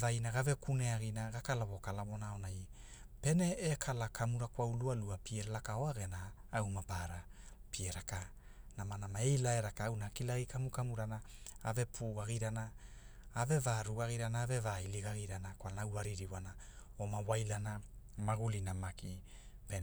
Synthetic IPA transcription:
vajnaɡave̞kuneaɣinaɡakalavo̞kalaβo̞naonaj | pe̞ne̞ːkʰalakʰamuɾakwawlualuapieɾalakao̞aɡe̞naːwmapaɾapieɾakanamanamaejlaeɾakaːwnakilaikamukamuɾanaave̞pʰuɡaɣiɾanaː | ve̞vaɾuɡaɣiɾanaːve̞vailiɡaɣiɾanakwalnawaɾiɾiwana | omawajlana | maɡulinamaki | pen

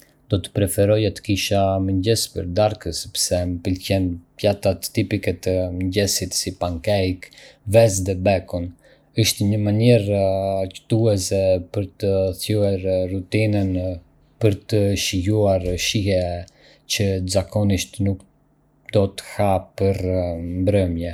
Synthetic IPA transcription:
d̪̥ɔt̪ə̥pɾɛfɛɾɔjɛt̪ə̥kiʃaməɲɟɛspəɾd̪aɾkəsə̥psɛməpilcɛnpjat̪at̪ːipikɛt̪əməɲɟɛsit̪sipaŋkɛjkvɛzðɛbɛkun | əʃt̪ɛɲəmaniɾct̪uɛsɛpəɾt̪əθjuɛɾrut̪inən | pəɾt̪əʃijuaɾʃihɛ | cəzakɔniʃt̪nuk | d̪̥ɔt̪ə̥hapəɾmbɾəmjɛ

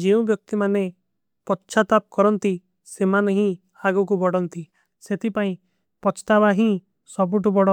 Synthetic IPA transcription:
d͡ʒeũbjɔk̚t̪imane | pɔtːʃʰat̪apɔkɔɾɔnt̪i | semaneɦĩ | aɡɔk̬ubɔɽɔnt̪i | set̪ʰipaĩ | pɔt͡ʃt̪aβaɦĩ | sɔbuʈ̬ubɔɽɔ

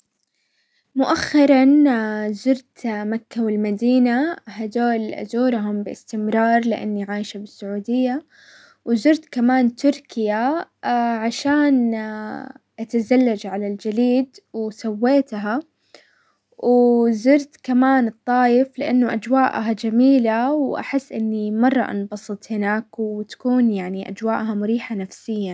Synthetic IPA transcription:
mʊʔaxːɑɾˤɑnzʊɾt̪makːawɪlmad̪iːnahad̪oːlʔa̰zoːɾɦʊmbɪɪ̰st̪ɪmɾɑːɾˤlɪʔa̰nːiʕaːjʃabɪsːʊʕuːd̪ɪjːa | wzʊɾt̪kamaːnt̪ʰʊɾkʰɪja | ʕaʃaːn | ʔat̪azalːad͡ʒʕalald͡ʒaliːd̪wsawːeːt̪ɦa | wʔzʊɾt̪kamaːnɨt̪ˤːɑːjɪflɪʔanːʊʔad͡ʒwaːʔɦad͡ʒamiːlawʔa̰ħɪsːʔɪnːimɑrˤːɑ̰ʔɑ̰nbɑsˤɨt̪ˤhɪnaːkwt̪ḁkuːnjaʕniʔa̰d͡ʒwaːʔɦamʊɾiːħanafsɪjːa

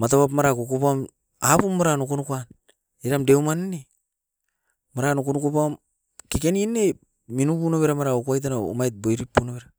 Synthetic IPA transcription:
mataβapmaɾakokopam | apumːaɾanokonukuan | eɾamdewmanini | maɾanokonukopam | kekeninːe | minupunoβeɾamaɾaokuajt̬anaṵmajt̚bojɾipːunoβeɾa

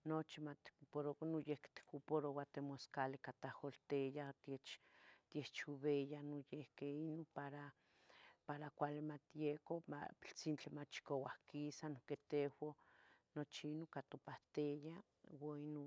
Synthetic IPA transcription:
not͡ʃimat̪i̥kupoɾoknujehke̥t̪i̥kupoɾowat̪emoskalikat̪aholt̪ejat̪et͡ʃt̪jeht͡ʃuβejanujehkeinopaɾa | paɾakʷalimat̪jekoma̰pilt͡sint͡ɬemat͡ʃi̥kowahkisanoket̪ewonot͡ʃinokat̪opaht̪eja | waino

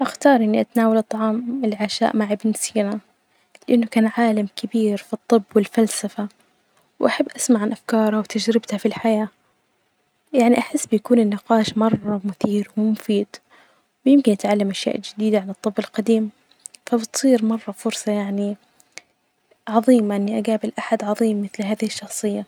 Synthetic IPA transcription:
ʔaxt̪ɑːɾˤʔɪnːiʔat̪naːwalʔt̪ˤːɑʕɑːmɪlʕaʃa̰ːʔmaʕibɪnsiːna | lɪʔɪnːʊkaːnʕaːlamkabiːɾfit̪ˤːɨbːwɪlfalsafa | wʔaħabːʔasmaʕanʔafkɑːɾˤawt̪ad͡ʒɾɪbt̪hafilħajaː | jaʕniʔaħɪsːbɪjakuːnɪnːɪqɑːʃmɑrˤːɑmʊθiːɾwɪmʊfiːd̪ | wɪjɪmkɪnʔat̪ʕalːamʔaʃja̰ːʔd͡ʒɪd̪iːd̪aʕanɨt̪ˤːɨbːɪlqɑd̪iːm | fabɪt̪sˤiːɾmɑrˤːɑfʊɾsˤɑjaʕni | ʕɑðˤiːmʔɪnːiʔaɡaːbɪlʔaħad̪ʕɑðˤiːmːɪθlɦaːðɪhɪʃːɑxsˤɨjːa

